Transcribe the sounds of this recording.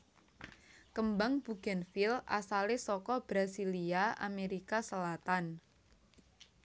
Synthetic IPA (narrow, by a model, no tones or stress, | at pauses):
kəmbaŋb̥uɡ̥anfɪla̰salesɔkɔb̥ɾasiliaʔa̰meɾikasəlat̪an